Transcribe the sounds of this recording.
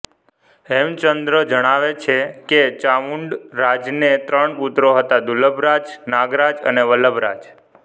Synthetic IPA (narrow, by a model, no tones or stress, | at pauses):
ɛmt͡ʃənd̪ɾəd͡ʒəɽ̃aʋet͡ʃʰeket͡ʃaʋuɳɖɾad͡ʒnet̪ɾəɳput̪ɾoɦət̪ad̪uləbɾad͡ʒnaɡɾad͡ʒə̰neʋələbɾa̰d͡ʒ